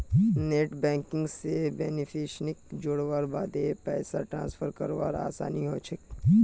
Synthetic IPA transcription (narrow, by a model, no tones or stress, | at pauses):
neːʈbɛ̃ːŋkɪ̃ŋɡsebeːnɪpʰiʃnɪk̚d͡ʒʊɽʋaːɾbaːd̪epɛːsaʈɾãːnsfʰəɾkəɾʋaːɾa̰ːsa̰ːniɦoːt͡ʃʰek